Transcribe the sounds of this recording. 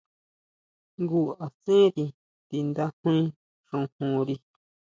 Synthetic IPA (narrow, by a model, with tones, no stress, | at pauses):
ŋɡu˦˨a˨sẽ˦ɾi˧ | t̪i˧nd̪a˦hu˦ĩ˦ | ʂõ˧hũ˨ɾi˧